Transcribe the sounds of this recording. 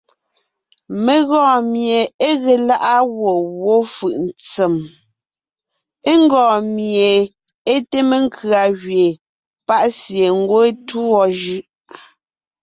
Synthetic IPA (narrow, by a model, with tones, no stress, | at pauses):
me˨ɣɔ̃ː˨mje˨e˦ɣe˨la˦ʔa˦ɣwo˨ɣwo˦fɯ˨ʔn̩˨t͡se˨m | e˦ŋ˦ɡɔ̃ː˨mje˨ | e˦te˦me˨ŋ̩˦kʰɰa˨ɣɥe˨ | pa˦ʔsje˨ŋ˦ɡwo˦e˦tu˦ɔ˨ʒʉ˦ʔ